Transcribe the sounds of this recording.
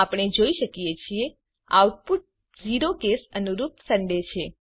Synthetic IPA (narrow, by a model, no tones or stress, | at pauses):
apəɳ̃ed͡ʒoiʃəkijet͡ʃʰie | a̰uʈ̚puʈ̚ | d͡ʒiɾokesənuɾupsəɳɖet͡ʃʰe